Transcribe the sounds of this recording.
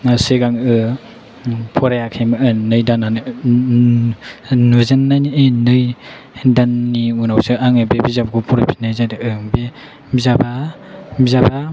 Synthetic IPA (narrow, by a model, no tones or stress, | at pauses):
seɡaŋɯ | pʰɔɾajakʰajmaɯnɯjdanan | nuzanːajnienɯj | danːiunawsɯʔaŋebebizabaɡupʰɔɾapʰi̥najzadeʔɯŋbe | bizababizaba